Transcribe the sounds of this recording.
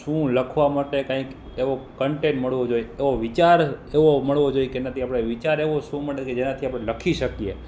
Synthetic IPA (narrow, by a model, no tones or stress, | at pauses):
ʃũləkʰʋamaʈekãĩk | eʋokəɳʈenməɭʋod͡ʒojeeʋoʋit͡ʃaɾeʋoməɭʋod͡ʒojekenat̪ʰiapɽ̃eʋit͡ʃaɾeʋoʃũməɭeked͡ʒenat̪ʰiapɽ̃eləkʰiʃəkie